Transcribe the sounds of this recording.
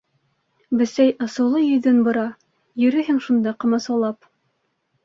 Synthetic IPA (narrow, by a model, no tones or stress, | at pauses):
bɘ̆sæjɑ̆sɤ̆wlˠɤjɵ̆ðɘnbŏɾɑ | jɵ̆ɾɘɦɘŋʃund̪ɑqɤ̆mɑsɑlˠɑp̚